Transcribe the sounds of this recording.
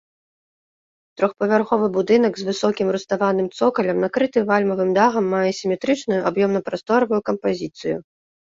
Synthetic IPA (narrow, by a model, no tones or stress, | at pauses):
t̪ɾɔxpɐvʲarxɔvɨbud̪ɨnɐɡzvɨsɔkʲimɾust̪avanɨmt̪sɔkɐlʲɐmnakɾɨt̪ɨvalʲmɐvɨmd̪aɣɐmːajɛsʲimʲɛt̪ɾɨt͡ʂnujuabjɔmnɐpɾast̪ɔɾɐvujukɐmpazʲit̪sɨjṵ